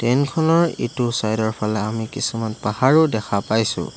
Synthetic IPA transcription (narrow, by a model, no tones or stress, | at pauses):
tɛnkʰɔnɔɹḭtusajdɔɹpʰalɛamikisumanpahaɹʊdɛkʰapajsʊ̰̃